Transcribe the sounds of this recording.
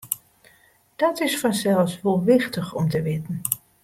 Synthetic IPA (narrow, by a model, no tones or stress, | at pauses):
d̥ɔtɪsfɔnsɛlˠsʋolˠʋɪxtəxɔmtəʋɪtn̩